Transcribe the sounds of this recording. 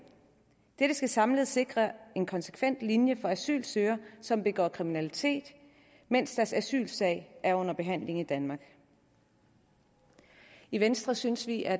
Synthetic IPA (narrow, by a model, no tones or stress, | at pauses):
d̥eɾ̥əsɡ̥æsɑ̈mləð̩ˠse̝ɡ̥ʁɐe̝nkʰɒ̽nse̥kʰʋen̰d̥linjəfɒ̽æsy̰ːlsøːɐsɒ̽mb̥e̝ɡ̥ɒ̰ːkʰʁiminælit͡sʰe̝̰ːd̥ | men̰sd̥æɐsæsy̰ːlsɛ̰ɪʔæɐɔ̽n̰ɐb̥e̝ɦæn̰le̝ŋ̩id̥ænmɑ̈ːɡ̥ | iʋensd̥ʁɐsynsʋiʔæɐ